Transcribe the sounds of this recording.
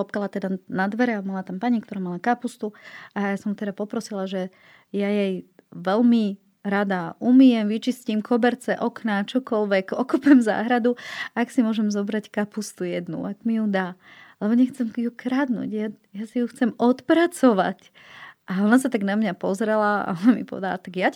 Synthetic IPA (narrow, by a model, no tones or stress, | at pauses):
ɔp̚kalat̪ɛd̪anad̪ʋɛɾɛamalat̪ampaɲik̚t̪ɔɾaːmalakapust̪uajasɔmt̪ɛd̪apɔpɾɔsilaʒɛ | jajɛjʋɛlmi | ɾad̪aʔumijɛmʋit͡ʃiscimkʰɔbɛɾt͡sɛʔɔknat͡ʃɔkɔlʋɛkɔkupɛmza̰ːɦɾad̪uaksimʊɔʒɛmzɔbɾackapust̪ujɛd̪nṵʔakmijud̪aːlɛbɔɲɛxt͡sɛmjukɾad̪nṵɟja | jasijuxt͡sɛmɔt̪pɾat͡sɔʋa̰c | ʔaɔnasat̪aɡnamɲapɔzɾɛlaa̰ɔnamipɔ̰ʋɛ̰d̪ala̰t̪aɡja